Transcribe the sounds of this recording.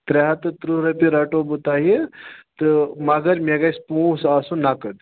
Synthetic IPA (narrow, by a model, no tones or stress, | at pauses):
t̪ɾɐɦat̪ɐt̪ɾuɾɐpiɾaʈobut̪aːɦit̪ɨmaɡɐɾmeɡajspuːsasũnakəd̪